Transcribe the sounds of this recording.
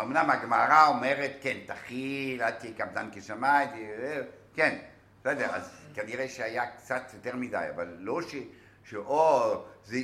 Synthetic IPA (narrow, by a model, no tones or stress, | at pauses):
omnamaɡmaʁaomeʁetkent̪aχilat̪ikabd̪ankeʃamajt̪ie | ken | sedeʁa̰zkaniʁejʃeajakt͡sat̪jot̪eʁmida̰ja̰valːoʃe | ʃeʔoze